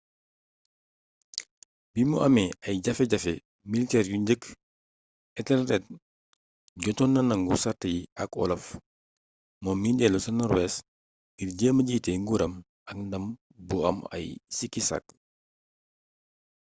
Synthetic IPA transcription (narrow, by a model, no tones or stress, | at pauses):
bimuʔɐmɛɐjɟɐfɛɟɐfɛ | militɛɾjuɲɟək | ɛtɛlrɛt̚ | ɟɔtɔnːɐnɐŋɡusɐrtɐjiɐ̰kɔ̰lɐf | mɔːmːindɛlusɐnɔɾwɛs | ɡirɟəːmɐɟiːtɛŋɡuːɾɐm | ɐk̚ndɐm | buɐ̰mɐ̰jsikːisɐ̰k̚